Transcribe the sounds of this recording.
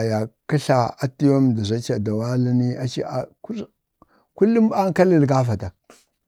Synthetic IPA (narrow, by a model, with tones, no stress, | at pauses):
a˨ja˨ki˦ɬa˨a˦ti˦jo˦m˨da˨zʷa˦t͡ʃa˨da˨wa˦li˦ni˦a˨t͡ʃḭ˦a˨k | ku˦lːi˦m˦ba˦ŋ˦ka˦li˦˨lɡa˦fa˨ta˨